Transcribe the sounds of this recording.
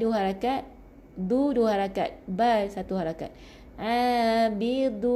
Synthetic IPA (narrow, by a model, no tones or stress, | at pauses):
duɦaɾakat̪̚ | d̪uduɦaɾaka̰t̪̚basat̪uɦaɾaka̰t̪̚ | ãbid̪u